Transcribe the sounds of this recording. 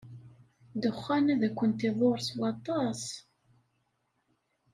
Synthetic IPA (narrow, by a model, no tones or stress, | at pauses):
d̪əχːænæðækʷːənt̪iðˤoɾswɑt̪ˤːɑs